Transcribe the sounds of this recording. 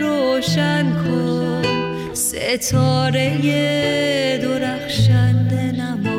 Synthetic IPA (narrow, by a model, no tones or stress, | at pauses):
ɾoːʃænkʰo | sḛt̪ʰɔːɾeje | d̪oɾæxʃænd̪enæmu